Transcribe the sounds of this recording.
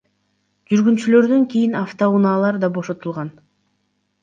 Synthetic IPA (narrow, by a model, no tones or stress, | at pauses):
d͡ʒyɾɡynt͡ʃylø̞ɾd̪yŋkʲijinaft̪ounɑlˠɑɾd̪ɑbo̞ʃo̞t̪ulˠʁɑn